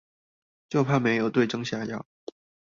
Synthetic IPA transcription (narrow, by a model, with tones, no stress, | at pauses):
t͡ɕjo˥˧ʊpʰa˥˩me˧˥ɪjo˨˩ʊt̪we˥˩ɪʈ͡ʂɤ˥ŋɕja˥˩jɑ˥˩ʊ